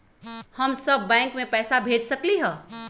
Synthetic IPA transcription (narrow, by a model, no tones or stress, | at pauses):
həmsəbːɛ̃ːŋkmẽpɛːsabʱeːd͡ʒsəkliɦə̃